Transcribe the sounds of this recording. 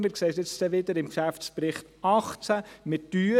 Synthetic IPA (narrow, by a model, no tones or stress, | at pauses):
mɪɾkseːtɪt͡stɛʋɪd̪əɾɪmkʃæft͡spɾɪχt | ɑχt͡sæmɪtːyː